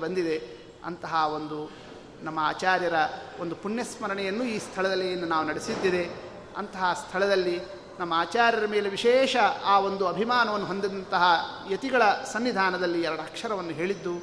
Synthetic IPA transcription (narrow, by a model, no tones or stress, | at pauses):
bɐnd̪id̪e̞ | ɐ̰nt̪ɐɦɐo̞nd̪u | nɐmːɐaːt͡ʃaːɾjɐɾɐond̪upunjɐsmɐɾɐɳɛjɐnːuiːst̪ʰɐɭɐd̪ɐlɐjɐnːunaːʋunɐɽisid̪ːid̪e̞ | ɐ̰nt̪ɐɦɐst̪ʰɐɭɐd̪ɐlːi | nɐmːɐaːt͡ʃaːɾjɐɾɐmeːle̞ʋiʃɛːʃɐaːʋo̞nd̪uɐbʱimaːnɐʋɐnːuɦo̞nd̪id̪ɐnt̪ɐɦɐjɐt̪iɡɐɭɐsɐnʋid̪ʱaːnɐd̪ɐlːiɛɾɐɽɐɦɐkʂɐɾɐʋɐnːuɦe̞ːɭid̪ːu